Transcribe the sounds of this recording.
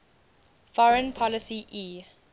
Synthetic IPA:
fɔɹə̃npʰɔləsiʔiː

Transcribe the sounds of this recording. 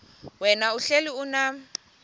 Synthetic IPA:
wɛnauɬeliuna

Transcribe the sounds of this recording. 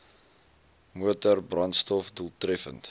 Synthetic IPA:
muətərbrɐnstɔfduəlˠtrɛfə̰nt

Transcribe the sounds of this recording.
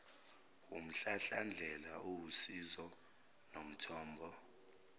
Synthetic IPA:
um̩ɬaɬand͡ɮʱɛlaʔowusizɔ | nom̩tʰɔːmbʱɔ

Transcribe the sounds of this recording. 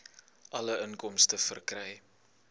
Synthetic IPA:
ʔɐləənkɔmstəfərkrɛj

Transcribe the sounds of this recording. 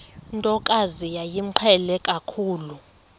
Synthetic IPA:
ntʼɔkʼazijajim̩ǃʰɛlɛkʼakʰuːlu

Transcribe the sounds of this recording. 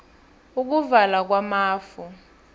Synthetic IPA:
uk̬uvalak̬wamaːfu

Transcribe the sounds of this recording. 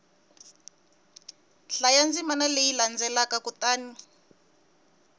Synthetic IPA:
ɬajand͡zimanalejiland͡zɛlakakut̪aːni

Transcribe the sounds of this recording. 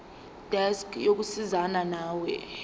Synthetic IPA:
d̥ʱɛskʰjok̬usizananaːwɛ̰

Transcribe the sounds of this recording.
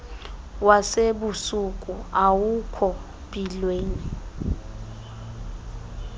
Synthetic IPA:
waseɓusukʼuawukʰɔ | pʼilweːni

